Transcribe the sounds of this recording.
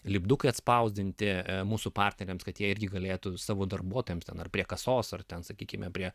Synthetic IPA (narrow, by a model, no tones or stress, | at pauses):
lʲɪbd̪ukɐɪɐt̪spɐʊzʲdʲɪnʲt̪ʲɪmuːsʊpɑrʲt̪ʲnʲɛɾʲeːmskɐt̪jiɛɪɾʲɡʲɪɡɐlʲeːt̪ʊsɑːʋoːd̪ɐrbuɔt̪oːjɛmsʲt̪ʲɛnɐrpʲɾʲiɛkɐsoːsɐrt̪ʲɛnsɐkʲiːkʲɪmʲɛpʲɾʲiɛ